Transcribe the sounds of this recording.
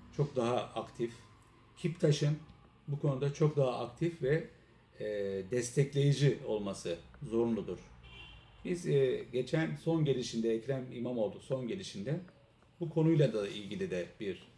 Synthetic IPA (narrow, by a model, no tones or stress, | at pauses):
t͡ʃʰo̞k̚d̪aɦaakt̪ʰif | cʰipt̪ʰaʃɯn | bukʰo̞nud̪at͡ʃʰo̞k̚d̪aɦaʔak̚t̪ʰifvɛ | d̪ɛst̪ʰɛclʲe̞jid͡ʒio̞lˠmasɯzo̞ɾunlˠud̪uɾ̥ | bizɟe̞t͡ʃʰænso̞nɟelʲiʃind̪ɛːcɾæmimamo̞lˠd̪uso̞nɟelʲiʃind̪ɛ | bukʰo̞nujlˠad̪ailʲɟilʲid̪ɛbiɾ̥